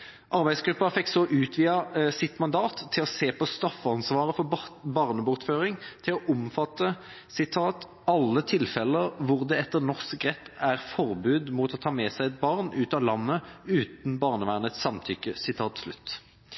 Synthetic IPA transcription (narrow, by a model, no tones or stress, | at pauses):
ʔɑʁbæɪsɡɾʉpːɑfɛkːsɔʔʉːt̪ʰʋiːɑsɪt̪mɑnd̪ɑːt̪ʰːɪlɔseːpɔst̪ɑfəɑnsʋɑːʁəfɔbɑʁnəbʊʁt̪føːʁɪŋt̪ʰɪlɔʔʊmfɑt̪ːə | sɪt̪ʰɑːt̪ | ɑlːət̪ʰɪlfɛləʋʊʁd̪ɛɛt̪ːənɔsʁɛt̪ːæʁfɔʁbʉːd̪muːt̪ɔt̪ʰɑːmɛsæɪɛt̪̚bɑʁnʉːt̪ɑːlɑnːəʉːt̪n̩bɑʁnəʋæːʁnət̪sɑmt̪ʰʏkːəsɪt̪ʰɑːt̪slʉ̰t̪ː